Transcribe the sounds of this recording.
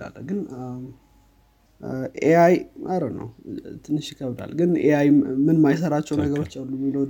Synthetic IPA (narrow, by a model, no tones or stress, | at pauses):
a̰lɡɨn | ʔeajmʔəɾət̪nə̰wt̪ʰɨnːɨʃjɪkʰəβd̪a̰lɡɨnʔeajmɨnmajs̬əɾat͡ʃːɛwnəɡəɾo̞t͡ʃːalːumd̪əw